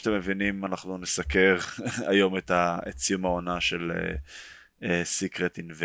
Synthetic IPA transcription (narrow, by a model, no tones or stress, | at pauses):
t̪emːevinimanaχnunesake̞ʁa̰jo̞met̪aett͡sijumaonaʃe̞lḛ | esikʁet̪inve